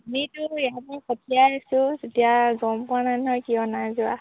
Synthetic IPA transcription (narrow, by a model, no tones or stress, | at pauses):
amitʊjatɛkʰɔtʰijaasusetijaɡɔmpananɔjkiɔnazua